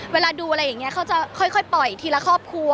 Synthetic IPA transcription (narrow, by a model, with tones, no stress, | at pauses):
weː˧laː˧duː˧ʔa˧ɾa˧jːa˨˩ŋi˦˥ɐkʰa˨˦˥wt͡ɕa˨˩kʰɔ˥˩jkʰɔ˥˩jpɔ˨˩jt̪ʰiː˧la˧kʰɔː˥˩p̚kʰu˧